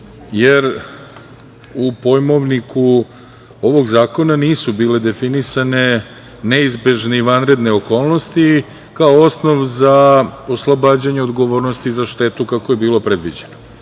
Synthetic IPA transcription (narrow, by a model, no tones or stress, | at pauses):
jeɾ | upo̞jmo̞ʋniku | o̞ʋo̞ɡzaːko̞naniːsubiːle̞d̪e̞finisane̞ | neizbe̞ʒneiʋanɾe̞d̪neo̞koːlˠno̞st̪i | kaoo̞sno̞ʋzaoslˠobaːd͡ʑaɲeod̪ɡo̞ʋo̞ːɾnost̪izaʃt̪e̞t̪ukako̞je̞biːlˠo̞pɾe̞d̪ʋid͡ʑeno